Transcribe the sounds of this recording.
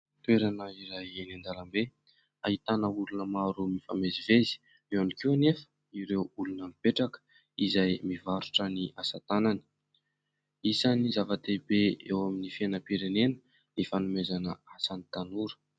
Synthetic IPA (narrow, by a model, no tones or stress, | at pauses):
t̪weɾanəiɾajenand̪alambe | aɦit̪anəulunəmaɾumifamezivezi̥ | eanikuwanefə̥ | iɾewulunəmipeʈ͡ʂakə̥ | izajmivaɾuʈ͡ʂəniʔasat̪anani̥ | isanizavat̪ebeḛwaminifenəpiɾenenə̥ | nifanumezanəasanit̪anuɾə̥